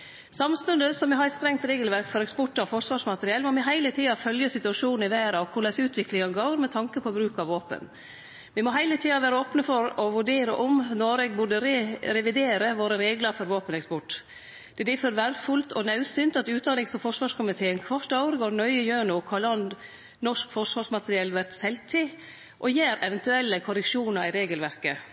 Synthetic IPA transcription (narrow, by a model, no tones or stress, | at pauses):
sɑmst̪ʉnd̪əsɔmʋɪɦɑɾɛt̪st̪ɾɛŋt̪ɾeːɡəlʋæɾkfɔɾɛkspɔʈːɑɔfɔʂʋɑːʂmɑt̪əɾɪɛlmɔmɪɦæɪlət̪ʰiːɑfœljəsɪt̪ʉɑʂuːn̩ɪʋæːɾɑkʰʊɭæsʉːt̪ʰʋɪklɪŋɑnɡoːɾmɛt̪ʰɑŋkəpʰɔbɾʉːkɑʋoːpə̰n | ʋɪmɔɦæɪlət̪ʰiːɑʋæːɾəoːpnəfɔɾɔʋʉɖeːɾə̰ʔʊmnɔɾɛɡ̚bʊɖəɾɛɾɛʋɪd̪eːɾəʋoːɾəɾeːɡləɾfɔɾʋoːpənɛkspɔʈː | d̪̥ɛd̪ɪføːɾʋæːɾfʉlt̪ʰɔnɑʉsyːnt̪ɑt̪ʉːt̪d̪ɑnɪŋsɔfɔʂʋɑːʂkʰʊmɪt̪ʰeːənkʰʋɑʈ̪ːɑʊɾɡoːɾɳœʏəjøːɳʊkʰɑlɑnd̪ | nɔʂkfɔʂʋɑːʂmɑt̪əɾɪɛlʋæɾt̪sɛlt̪ʰɪ | ʔɔjeːɾɛʋɛnt̪ʉɛlːəkʰʊɾɛkʃuːnɑɾɪɾeːɡəlʋæɾkə